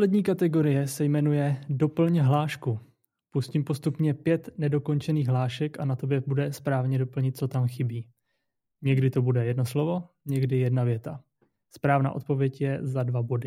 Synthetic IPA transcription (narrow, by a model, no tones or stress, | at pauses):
slɛdɲiːkat̪ɛɡo̞ɾɪjɛsɛjmɛnujɛdo̞pl̩ɲɦlaːʃku | puscimpo̞st̪upɲɛpjɛt̪nɛdo̞ko̞nt͡ʃɛniːɣɦlaːʃɛkʔanat̪o̞bjɛbudɛspɾaːvɲɛdo̞pl̩ɲɪt̪̚t͡sot̪amxɪbiː | ɲɛɡdɪt̪o̞budɛjɛdno̞slo̞vo̞ | ɲɛɡdɪjɛdnavjɛt̪a | spɾaːvna̰ːʔo̞t̪̚po̞vjɛcjɛzadvabo̞dɪ